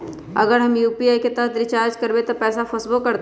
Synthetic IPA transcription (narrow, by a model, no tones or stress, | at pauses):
ɐɡəɾɦɐmjuːpiaːjket̪ɐɦt̪ɾɪt͡ʃaːɾd͡ʒkɐɾbet̪opɛːsafʰɐsbokɐɾt̪